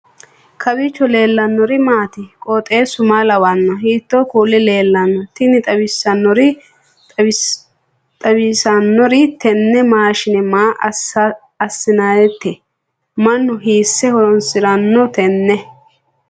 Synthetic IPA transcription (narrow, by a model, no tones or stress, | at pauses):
kʰɐbɪt͡ʃːɔle̞ːlːɐnːɔɾɪmaːt̪ɪkʼɔt̪ʼe̞ːsʊmaːlɐwɐnːɔɦiːt̪ːoːkuːlɪle̞ːlːɐnːɔt̪ɪnɪt̪ʼɐbɪsːɐnːɔɾɪ | t̪ʼɐbɪsɐnːɔɾɪt̪ɛnːɛmaːʃɪnɛmaːʔ | ɐsːɪnaːjɛt̪ːɛ | mɐnːʊɦiːsːɛhɔnsɪɾɐnːɔt̪ɛnːɛ